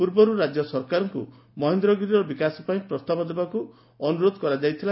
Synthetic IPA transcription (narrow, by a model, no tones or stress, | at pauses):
puɾbɔɾuɾad͡ʒjɔsɔɾkaɾɔŋkṵ | mɔɦind̪ɾɔɡiɾiɾɔbikasɔpaĩpɾɔst̪abɔd̪ebaku | ɔnuɾod̪ʱɔkɔɾad͡ʒajt̪ʰila